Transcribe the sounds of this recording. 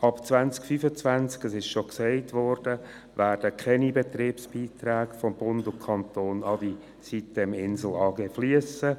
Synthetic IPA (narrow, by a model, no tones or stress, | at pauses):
ɑpt͡svænt͡skfyfət͡sʋænt͡skəsɪʃʃoksɛɪtʋɔːrd̥ə | ʋæːrdəkʰɛnibet̪riːpsb̥iːt̪ɾæːkfɔmb̥ʊndʊkʰɑnt̪oːnɑdi | sitəmɪnzl̩ɑːɡefliəsə